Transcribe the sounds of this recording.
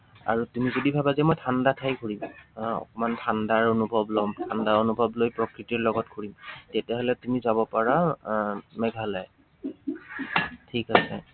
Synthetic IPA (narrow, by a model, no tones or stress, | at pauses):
a̰ɹutumizodibʱabazɛmɔjtʰandatʰajɡʰʱuɹimɔ̰kɔmantʰandaɹonubʱɔblɔmtʰandaonubʱɔblojpɹɔkɹitiɹlɔɡɔt̚kʰuɹimtɛtɛɦolɛtumizabɔpaɹa | mɛɡʱalaj | tʰikasɛ̰